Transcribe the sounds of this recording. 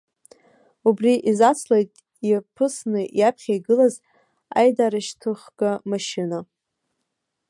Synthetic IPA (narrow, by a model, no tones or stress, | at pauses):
ubriʔizat͡sʰlejtʼ | ipʰɨsnɨjapʰχʲajɡɨlaz | a̰jdaɾaʃtʰɨχɡ̥amaʃina